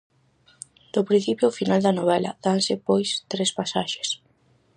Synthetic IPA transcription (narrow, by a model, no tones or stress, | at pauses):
d̪̥opɾĩn̟θipjofinald̪ɐnoβɛlɐ̰ðansɪpojst̪ɾespasaʃe̥s